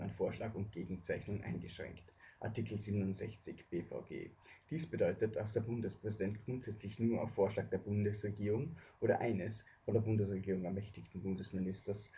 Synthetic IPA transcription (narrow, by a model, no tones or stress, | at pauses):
a̰ɪnfoːɐʃlaːkʊnt̚ɡ̥eːɡŋ̩t͡saɪçnʊŋʔa̰ɪnɡəʃʁ̥ɛ̰ŋktʔa̰ɐtiːkl̩ziːbənʊntz̥ɛçt͡sɪçb̥eːfa̰ʊɡ̥ḛːd̥iːsb̥ədɔʏtət̚d̥asd̥eːɐbʊndəspʁ̥ɛzidɛntɡ̥ʁʊntz̥ɛt͡slɪçnuːɐa̰ʊfːoːɐʃlaːk̚d̥eːɐbʊndəsʁeɡiːʁʊŋʔoːɾɐ̰ʔa̰ɪnəs | fɔndeːɐbʊndəsʁeɡiːʁʊŋɛɐmɛçtɪçtn̩bʊndəsmɪnɪstɐs